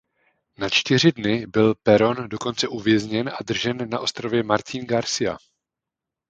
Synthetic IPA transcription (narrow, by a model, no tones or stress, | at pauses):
nat͡ʃt̪ɪr̝ɪdnɪbɪlpɛɾo̞ndo̞ko̞nt͡sɛʔuvjɛzɲɛnʔadr̩ʒɛnːaʔo̞st̪ɾovjɛmaɾc̪inɡaɾsɪja̰